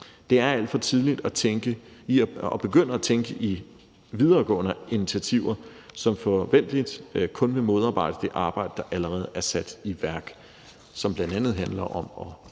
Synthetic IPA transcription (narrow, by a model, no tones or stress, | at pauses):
d̥e̝æɐæl̰d̥fɒ̽t͡sʰiðˠlid̥ɒt͡sʰeŋɡ̥əiɒb̥e̝ɡ̥øn̰əæt͡sʰeŋɡ̥əʔi | ʋið̞ˠɐːɡ̥ɔ̰̽ːnəinit͡sʰiæt͡sʰiʊɐ | sɒ̽mfɒʋen̰d̥lid̥kʰɔ̽nʋe̝mo̝ð̞ˠɑ̈ːb̥ɑ̈ɪ̰d̥əd̥e̝ʔɑ̈ːb̥ɑ̈ɪ̰d̥əd̥ɑ̈ʔæləʁɛːð̞̩ˠæɐsæd̥iʋæɐɡ̥ | sɒ̽mb̥lænd̥ænð̩ˠɦænlɐʔɒ̽mɒ̽